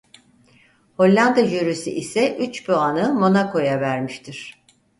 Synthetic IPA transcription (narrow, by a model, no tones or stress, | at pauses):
ho̞lʲːand̪ajøɾysḭʔisɛʔyt͡ʃboanɯmo̞nako̞javæɾmiʃt̪ʰiɾ̥